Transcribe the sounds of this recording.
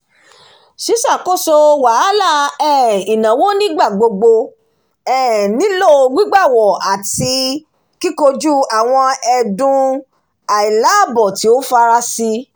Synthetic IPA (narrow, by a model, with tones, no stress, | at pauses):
ʃi˨˦sa˦˨ko˦so˧wa˨˦la˦˨ɛ˦˨i˨nã˨wo˦nĩ˦ɡ͡ba˦˨ɡ͡bo˧ɡ͡bo˧ | ɛ˦˨nĩ˨˦lo˦˨o˧ɡ͡bi˦ɡ͡ba˦˨wɔ˨a˨ti˧ | ki˦ko˧d͡ʒu˦a˨w̃ɔ̃˧ɛ˧dũ˧ | a˨i˨la˨˦˨bɔ˨ti˨˦o˦fa˧ɾa˧si˧